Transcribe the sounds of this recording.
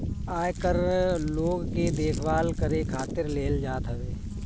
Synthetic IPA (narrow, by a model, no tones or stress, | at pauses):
aːjkəɾloːɡked̪eːkʰʋaːlkəɾekʰaːt̪ɪɾleːld͡ʒaːt̪ɦɐʋeː